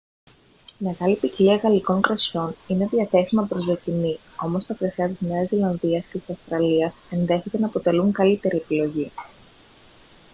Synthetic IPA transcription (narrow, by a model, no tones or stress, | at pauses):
ime̞ɣɐlipiciliɐɣɐliko̞ŋkɾɐsço̞nine̞ðiɐθe̞simɐpɾo̞zðo̞c̪ini | o̞mo̞st̪ɐkɾɐsɐt̪izne̞ɐzilɐnðiɐsce̞t̪i̥sɐfst̪ɾɐliɐse̞nðe̞çet̪e̞nɐːpo̞t̪e̞luŋkɐlit̪e̞ɾie̞pilo̞ʝi